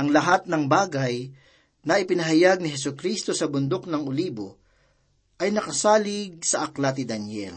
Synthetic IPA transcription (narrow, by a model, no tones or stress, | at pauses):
ʔɐŋlɐɦat̪̚nɐŋbaːɡɐj | nɐʔɪpɪnɐɦɐjaɡ̚nɪɦɛsʊkɾist̪o̞sɐbʊnd̪ok̚nɐŋoliːbo̰ | ʔɐjnɐkɐsaːlɪɡ̚sɐʔɐklat̪ɪd̪ɐnɛ̰l